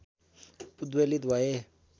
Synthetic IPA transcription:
ud̪welid̪waje

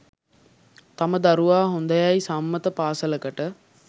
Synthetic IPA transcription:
t̪aməd̪ɐɾuʋaːɦond̪ɐjaisamːət̪əpaːsələkəʈə

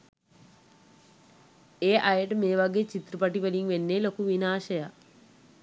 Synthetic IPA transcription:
eːʔajəʈəmeːʋaɡeːt͡ʃit̪ɾupɐʈipəliŋʋenːeːlokuʋinaːʃɐja

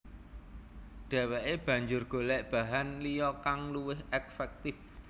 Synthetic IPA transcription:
ɖ̥ɛ̤wɛʔeb̥ä̤ɲd͡ʒʊrɡ̥o̤lɛʔb̥ä̤ɦanlijɔkaŋluwɪɦɛkfɛk̚t̪ɪf

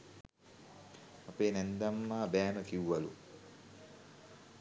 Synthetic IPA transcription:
apeːnɛnd̪amːaːbæːməkiwːalṵ

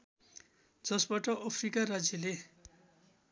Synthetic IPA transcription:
d͡zʌsbaʈʌʔʌpʰrikaɾad͡zjʌle

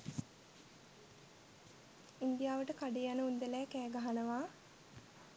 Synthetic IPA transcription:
ind̪ijaːʋəʈəkaɖijanəund̪əlæːkæːɡaɦanəʋaː

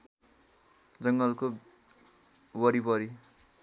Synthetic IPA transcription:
d͡zʌŋɡʌlko | wʌɾipʌɾi

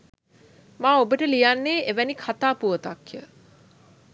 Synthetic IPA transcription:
maːobəʈəlijanːeːeʋænikʰat̪aːpuʋət̪akjə

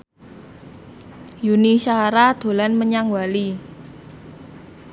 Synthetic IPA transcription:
junisaɾad̪̥o̤lanməɲaŋwali

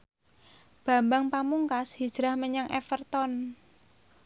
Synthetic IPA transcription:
b̥ä̤mbaŋpamuŋkashi̥ʒ̥ɾa̤hməɲaŋʔɛfərt̪ɔn

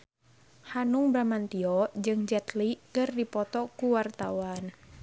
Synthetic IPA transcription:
hanuŋbɾamant̪iɔd͡ʒɨŋd͡ʒɛt̪likɨrdipɔt̪ɔkuwart̪awan

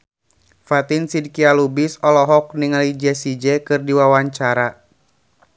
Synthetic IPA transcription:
fat̪insid̚kialubisɔlɔɦɔk̚niŋalid͡ʒɛsid͡ʒɛkɨrdiwawaɲt͡ʃaɾa

